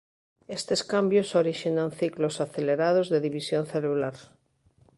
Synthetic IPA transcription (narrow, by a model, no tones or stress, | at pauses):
est̪eskambjosoɾiʃinanθiklosaθeleɾað̞ozðeðiβisjonθelulaɾ